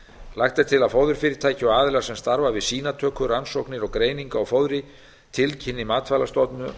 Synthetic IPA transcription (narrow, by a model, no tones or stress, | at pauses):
lajxt̪aɾ̥t̪ʰɪlaðfowðʏɾ̥fɪːɾɪɾ̥t̪ʰaːjcɪɔaːðɪlɛɣasɛmst̪aɾvavɪðsiːnat̪ʰœːkʏɾansɔknɪɾɔɣkɾeːjniŋkaɔwfowðɾɪ | t̪ʰɪlcʰɪnːɪmaːt̪falast̪ɔt̪nʏ